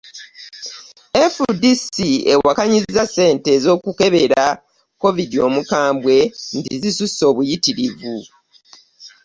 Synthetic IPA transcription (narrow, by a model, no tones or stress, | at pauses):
efudisiḛwakaɲizːase̞ːnte̞ːzo̞ːkuke̞βe̞ɾa | ko̞vidio̞mukaːmbwe̞ntizisuso̞ːβujitiɾivu